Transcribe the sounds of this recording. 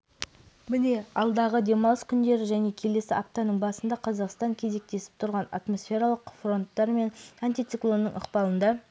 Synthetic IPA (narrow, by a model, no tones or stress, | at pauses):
mɪne̞ɑ̰lˠd̪ɑʁəd̪e̞mɑlˠəskʲʰʏnd̪e̞ɾɪʒæne̞kʲʰe̞le̞sɪʔap̚t̪ɑnəɴbɑsənd̪ɑqʰɑzɑqst̪ɑŋkʲʰe̞ze̞k̚t̪e̞sɪ̥p̚t̪ʰʊɾʁɑna̰t̪mo̞sfʲe̞ɾaɑlˠəqfro̞nt̪ːɑɾme̞nanʲt̪ʲijt̪sɨklˠo̞nːə̰ɴʔə̰qpɑlˠənd̪ɑ